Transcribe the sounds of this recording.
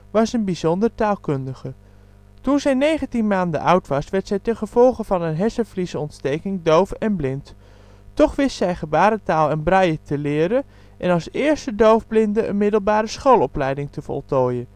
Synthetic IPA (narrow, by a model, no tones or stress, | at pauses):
ʋɑsənbizɔndəɹtaːlˠkɵndəχə | tunzɛjnejχəntinmaːndə̰ʔʌwtʋɑsʋɛɹtsɛjtɛnχəv̥ɔlˠχəvɑnənɦɛsəflisəɔntstejkɪŋdowfɛnblɪnt | tɔχʋɪstsɛjχəbaːɾətaːlˠɛnbrɑjətəlɪːɾən | ʔɛnɑlˠsɪːɹstədowvblɪndəʔə̰nmɪdəlˠbaːɾəsχowlˠɔplɛjdɪŋtəvɔ̰lˠtoːjən